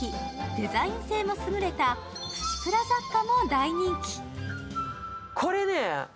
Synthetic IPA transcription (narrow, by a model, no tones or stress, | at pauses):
id̪e̞zaĩɰ̃se̞ːmo̞sɨɡɯ̟ɾe̞t̪a | ɸɯ̟̥t͡ɕi̥pɯ̟ɾazakːano̞d̪aiɲ̟ĩŋkʲi̥ | kʰo̞ɾe̞ne